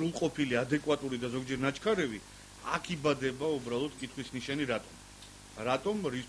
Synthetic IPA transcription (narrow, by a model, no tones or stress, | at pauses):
ulˠqʼɔpʰiliad̪ɛkʼwat̪ʼuɾid̪azɔɡd͡ʒɛɾnat͡ʃʰkʰaɾɛvi | a̰kʰibad̪ɛbaubɾalˠɔd̪̚kʼit̪ʰχwisniʃɛniɾat̪ʼɔm | ɾat̪ʼɔmɾis